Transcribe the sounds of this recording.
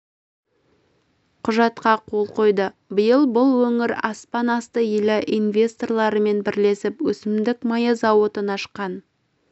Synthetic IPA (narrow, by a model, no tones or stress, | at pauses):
qʰʊʒɑt̪qɑqʰo̞lˠqʰo̞jd̪ə | bɪjəlˠbʊlˠwɵŋɪɾɑspɑnɑst̪əjɪlɪʔinvʲe̞st̪o̞rlˠɑɾəme̞nbɪɾle̞sɪpwɵsɪmd̪ɪkmɑjɑzɑwot̪ənɑʃə̥qːɑn